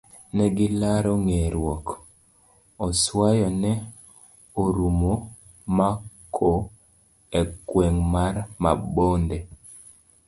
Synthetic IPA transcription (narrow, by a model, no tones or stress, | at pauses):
nɛɡɪlaɾɔŋeɾwɔk | ɔswajɔnɛ | oɾumo | makʰo | ekwɛŋmaɾma̰bonde